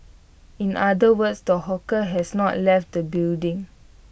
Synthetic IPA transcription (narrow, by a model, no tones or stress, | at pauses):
ĩnʔadəwətsdəɦɔkəɦɛsnɔʔlɛft̚dəbildĩŋ